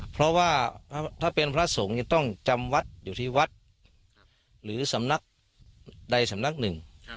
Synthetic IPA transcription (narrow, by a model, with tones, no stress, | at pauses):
pʰɾɔ˦˥waː˥˩˥t̪ʰaː˥˩pe˧npʰɾa˦˥so˨˩˦ŋja˧ŋt̪ɔ˥˩ŋt͡ɕa˧mwa˦˥t̪̚juː˨˩t̪ʰiː˥˩wa˦˥t̪̚ | ɾɯː˩˦sa˩˦mna˦˥˩k̚ | da˧jsa˨˦mna˦˥k̚nɯ˨˩ŋ